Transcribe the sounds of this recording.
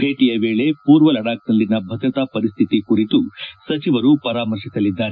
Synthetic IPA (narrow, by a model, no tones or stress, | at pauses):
bʱeːʈijɐʋe̞ːɭe̞puːɾʋɐlɐɽaːk̚d̪ɐlːinɐbʱɐd̪ɾɐt̪apɐɾist̪ʰit̪ikuɾit̪usɐt͡ʃiʋɐɾupɐɾaːmɐɾʂisɐlid̪ːaːɾe